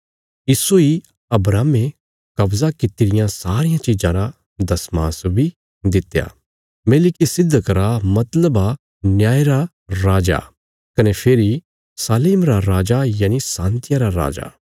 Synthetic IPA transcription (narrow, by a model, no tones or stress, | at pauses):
ɪsoi | ɐbɾaːme | kɐbzakɪt̪iɾɪjãsaːɾɪjãt͡ʃid͡ʒãɾa | d̪ɐsmãːsbʱi | d̪ɪt̪ja̰ː | meːlɪkisɪd̪ːkɾamɐt̪ləba | njaːeɾa | ɾaːd͡ʒa̰ | kɐnepʰeːɾi | saːliːmɾaɾaːd͡ʒajaːnisãːnt̪ɪjaɾaɾa̰ːd͡ʒa̰